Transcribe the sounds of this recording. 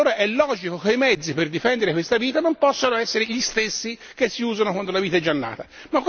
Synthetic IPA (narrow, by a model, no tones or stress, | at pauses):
oːɾaʔɛlːɔːd͡ʒikokeimɛd̪zːiperd̪ifɛnd̪eɾekwest̪aviːt̪anompɔsːonoɛsːeɾeʎist̪esːi | k̟esːiuːzanokwand̪olaviːt̪aɛd͡ʒanːa̰ːt̪amakː